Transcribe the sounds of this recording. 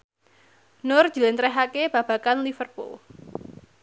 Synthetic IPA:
nʊrd̥ʒ̥ṳlent̪ɾɛɦakeb̥ä̤b̥a̤kanlifərpo̰

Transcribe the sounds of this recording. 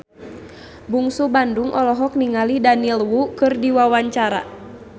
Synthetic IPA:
buŋsubanduŋʔɔlɔɦɔk̚niŋalidanilwukɨrdiwawaɲt͡ʃaɾa̰

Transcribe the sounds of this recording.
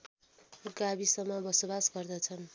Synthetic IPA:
ɡabisʌmːʌbʌsobasɡʌrd̪ʌt͡sʰʌn

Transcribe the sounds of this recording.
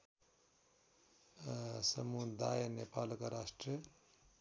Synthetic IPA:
səmud̪ajnepaːlkaɾasʈrə

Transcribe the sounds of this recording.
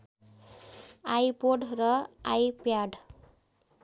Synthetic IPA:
ajpoɖrʌajpjaɖ

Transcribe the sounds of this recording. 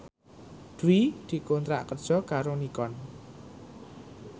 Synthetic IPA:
d̪̥uwid̪̥i̤kont̪ɾa̰ʔkərd̥ʒ̥ɔ̤kaɾonikɔn

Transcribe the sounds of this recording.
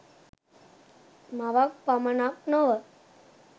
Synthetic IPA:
maʋak̚pamɐnak̚noʋə

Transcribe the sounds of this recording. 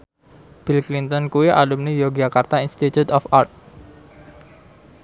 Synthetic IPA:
b̥ilklint̪ɔnkuwiʔalumnijoɡd͡ʒakart̪ainst̪it̪jut̪ɔfart̪̚

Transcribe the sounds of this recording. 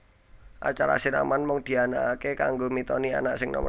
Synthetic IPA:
ʔa̰t͡ʃaɾa̰sina̰manmʊŋd̪̥i̤anakekaŋɡomit̪ɔnia̰naʔsɪŋnɔ̰m

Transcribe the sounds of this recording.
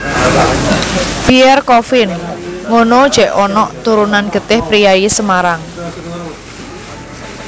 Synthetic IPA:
piɛrkɔfɪnŋonod̥ʒ̥ɛʔɔnɔʔt̪uɾunanɡ̥ə̤t̪ɪhpɾijaisəmaɾaŋ

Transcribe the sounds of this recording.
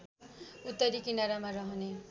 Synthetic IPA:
ut̪ːʌɾikinaɾamaɾʌɦʌne

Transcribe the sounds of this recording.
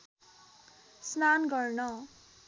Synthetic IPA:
snanɡʌrnʌ

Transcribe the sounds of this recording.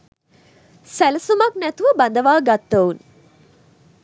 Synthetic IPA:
sælɐsumɐk̚næt̪uʋəbɐnd̪ɐʋaːɡat̪ːɐun

